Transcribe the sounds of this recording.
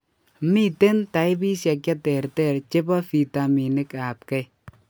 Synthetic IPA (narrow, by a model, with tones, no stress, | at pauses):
mi˦te˦nta˨i˦bi˦sja˨kja˦tɛ˨ɾtɛ˨ɾt͡ʃe˦ba˦fi˨ta˨mi˨nɪ˦ka˨p̚kɛ˨j